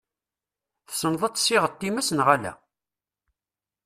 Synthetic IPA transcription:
θsənðˤɑt͡sːsɪʁət̪ːimæsənʁælæ̰

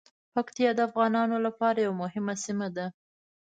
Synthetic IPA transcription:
pakt̪ijɑd̪əafɣɑnɑnolapɑɾajawamʊɦɪmasimad̪a

